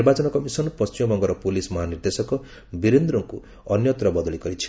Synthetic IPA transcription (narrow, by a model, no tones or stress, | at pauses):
niɾbat͡ʃɔnɔkɔmisɔnpɔst͡ʃimɔbɔŋɡɔɾɔpulismɔɦaniɾd̪esɔkɔ | biɾend̪ɾɔŋku | ʌnjɔt̪ɾɔbɔd̪ɔlikɔɾit͡ʃʰi̥